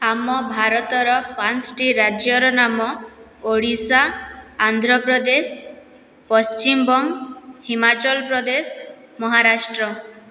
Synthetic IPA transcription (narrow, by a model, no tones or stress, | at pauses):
amɔbʱaɾɔt̪ɔɾɔpãnt͡ʃʈiɾad͡ʒjɔɾɔnamɔ | oɽisaːnd̪ʱɾɔpɾɔd̪es | pɔst͡ʃimbɔŋhimat͡ʃɔlpɾɔd̪es | mɔɦaɾasʈɾɔ